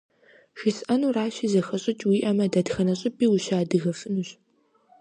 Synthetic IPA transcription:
ʃisʔɐnuraːɕizɐxɐɕʼɪt͡ʃʼwiːʔɐmɐdɐdxɐnɐɕʼɪpiːwuɕaːdɨɣɐfɨnuɕ

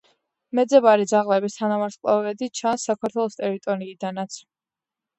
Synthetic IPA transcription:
mɛd̪zɛbaɾid̪zaʁlɛbist̪ʰanamaɾsqʼlˠa̰vɛd̪it͡ʃʰansːakʰaɾt̪ʰwɛlˠɔst̪ʼɛɾit̪ʼɔɾiːd̪anat̪sʰ

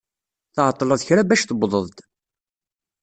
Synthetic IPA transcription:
θəʕət̪ˤːlɑðçɾabæʃθəbðˤəðˤt̪

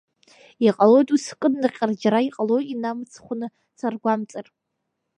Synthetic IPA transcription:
iqʼalo̞jtʼuskʼɨnːɨqʲʼard͡ʒaɾaiqʼalojinamt͡sʰχʷʊnɨ | t͡sʰarɡʷamt͡sʼɨrʼ

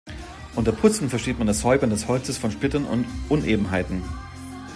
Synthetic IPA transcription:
ʔʊntɐpʰʊt͡sn̩fɛɐʃiːtmandashɔʏbɐndɛshɔlt͡səsfɔnʃpɪtɐnʔʊ̰ntʔʊnʔeːbm̩ɦaɪtn̩

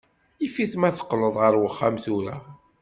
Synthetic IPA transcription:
ifiθmæθə̥qːləðˤʁəɾwəχːamθuɾæ

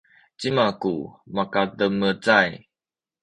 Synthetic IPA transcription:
t͡ɕimakumakad̪əmːət͡saj

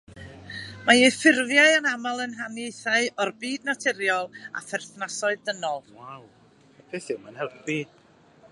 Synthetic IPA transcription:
majɛfɪrvjaɨanamalˠənɦanejθaɨɔrbiːdnatʰɛɾjɔlˠa̰fɛrθnasɔɨðdənɔlˠwaw | pʰɪθɪwmanhɛlvb̥i̥

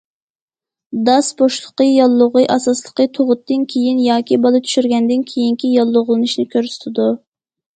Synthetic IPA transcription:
d̪ɑsboʃlˠə̥qəjɑlˠːʊʁɨjʔɑsɑslˠəqət̪ʰoʁʊt̪ːɨnkʲʰejinjɑːkʲibɑlˠɨt̪ʰy̥ʃyɾɡʲɛnd̪ɪnkʲʰejiŋkʲijɑlˠːʊʁlˠɨnɨʃnɪkʲøɾsy̥t̪ʰɪd̪u

